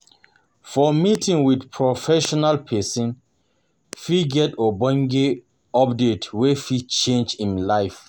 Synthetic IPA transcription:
fɔmitĩŋwidpʰɹɔfɛʃɔnalpʰɛsĩn | fiɡɛtobɔ̃ŋɡe | ɔpdetwefit͡ʃẽnd͡ʒĩnlaɪf

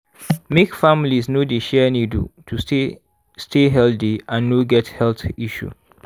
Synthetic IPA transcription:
mekfamlisnodeʃɛnidṵtʰue | stʰeɦɛldiãnːoɡɛthɛltiʃṵ

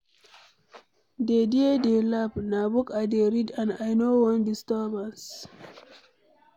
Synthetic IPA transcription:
dediedelabnabukadeɾidãnajnowɔ̃ndistɔbãns

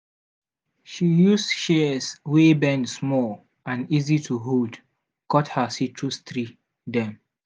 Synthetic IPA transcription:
ʃijusʃɛswebɛ̃ndsmɔl | ãnizitʰuɦud | kʰɔthəsitʰɹust̪ɹi | dɛ̃m

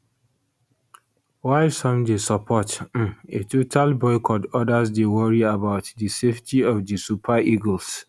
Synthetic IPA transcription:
waɪsɔ̃mdesɔpʰɔt̩etʰotʰalbɔɪkʰɔdɔdasdewɔɹiabaʊtdiseftʰiɔfdisupʰaʔiɡəls

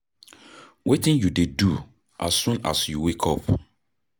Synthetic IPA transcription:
wetɪ̃njudedu | ʔa̰sːũna̰sjuwekʰɔp

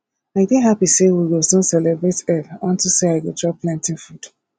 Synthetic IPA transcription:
aɪbĩnɦapisewiɡosõnsɛlɛbɹetɛlɔ̃ntuseaɪwɛdɹɔplãntĩŋfud̥

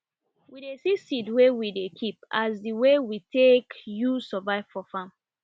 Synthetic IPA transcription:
widesisidwewidekʰip̚azdiwewitekjusɔvaɪv̥fɔfãm

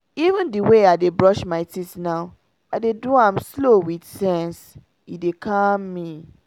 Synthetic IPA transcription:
ivə̃ndiweaɪdebɹɔʃmaɪtitnaʊ | aɪdeduãmslowidsɛ̃ns | idekãmːi

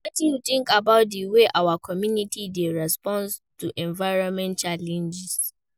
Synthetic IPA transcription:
wɔtijutɪ̃ŋkabaʊt̚diweʔawakʰɔmjunitʰideɹɛspɔ̃nstuʔɛ̃nvaɪɹɔ̃nmɛ̃ntt͡ʃalɛ̃nd͡ʒɪs

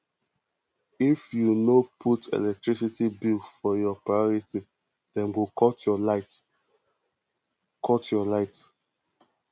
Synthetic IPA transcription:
ifjunopʰutʰḛlɛk̚tɹisitibilfɔjɔpɹajɔɹiti | d̥ɛ̃nwikɔtjɔlaɪt | kʰɔtjɔlaɪt

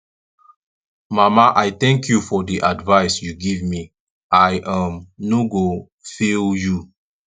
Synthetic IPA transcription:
mamaʔajt̪ɛ̃ŋkʰjufɔdiʔadvaɪsjuɡivmi | ʔajʔamnuɡo | filju

